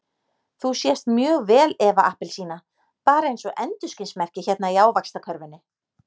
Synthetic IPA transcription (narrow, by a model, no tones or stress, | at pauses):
θusjɛst̪mjœːɣvɛːlɛvaʔahpɪlsiːna | paːɾaejnsɔʔɛnt̪ʏscɪnsmɛr̥cɪçɛt̪naiaːwvakst̪akʰœɾvʏnːɪ